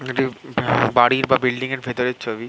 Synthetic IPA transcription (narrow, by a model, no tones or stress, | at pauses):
eʈibaɽiɾbabilɖiŋeɾbʱet̪oɾeɾt͡ɕʰobi